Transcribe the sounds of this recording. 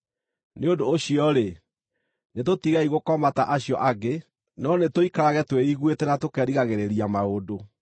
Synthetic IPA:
neondoːɕiɔɾe | netotiɣaiɣokɔmataʔaɕjɔʔaɡe | nɔnetoikaɾaɣɛtweiɣwetɛnatokɛɾiɣaɣeɾeɾiamaodo

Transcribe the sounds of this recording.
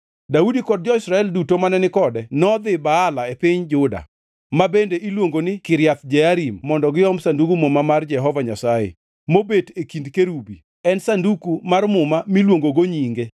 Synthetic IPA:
daudikɔd̚d͡ʒɔɪsɾaɛldutomanɛnɪkɔdɛnɔd̪ɪbaːlaepɪɲd͡ʒʊda̰ | mabendeʔilwoŋɡonɪkɪɾjat̪d͡ʒɛaɾimːɔndɔɡɪɔmsandukumomamard͡ʒɛɦɔvaɲasajḛ | mobetekindkeɾubi | ɛnsandukumarmʊmamilwoŋɡoɡoɲiŋɡe

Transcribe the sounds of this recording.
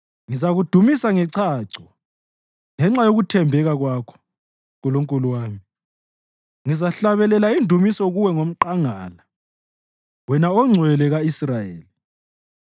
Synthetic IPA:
ŋizaɣud̥ʱumisaŋɛǀʰaːǀɔ | ŋɛŋ͡ǁajoɣutʰɛmbʱɛɣaɣwaːkʰɔ̥ | ɣuloŋkʼuluwaːmi | ŋizaɬaβɛlɛlaindʱumisɔɣuwɛŋom̩ǃaŋa̰ːla | wɛnaɔŋ͡ǀʱwɛlɛɣaisrajḛːli

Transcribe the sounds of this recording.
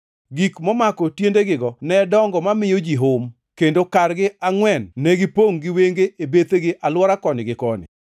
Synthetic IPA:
ɡikmɔmakɔtjendeɡɪɡɔnɛdɔŋɡɔmamɪjod͡ʒiɦʊm | kendokarɡɪaŋwɛnːɛɡɪpoŋɡɪweŋɡeʔebet̪eɡɪʔalwɔɾakɔnɪɡɪkɔnɪ̰

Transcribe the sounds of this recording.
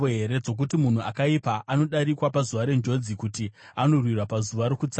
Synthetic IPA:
oɦe̞ɾe̞d͡zo̞k̬utimun̤ua̰kaipaʔano̞ɗaɾikwapazuʋaɾe̞nd͡ʒo̞d͡zikuti | ano̞rwirwapazuʋaɾokut͡sa

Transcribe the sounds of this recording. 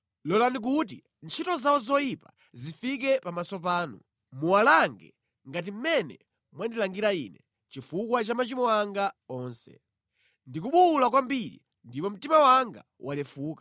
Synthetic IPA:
lɔlanik̬ut̬i | nt͡ʃʰitɔzawɔzɔipa | zifik̬ɛpamasɔp̬aːnu | muwalaŋɡɛ̰ | ŋɡat̬im̩mɛnɛ | mwandilaŋɡiɾaḭːnɛ | t͡ʃifukwat͡ʃamat͡ʃimɔaŋɡaɔːnsɛ̰ | ndik̬uɓulakwambiɾḭ | ndipɔm̩timawaŋɡa̰ | walɛfuːkḁ

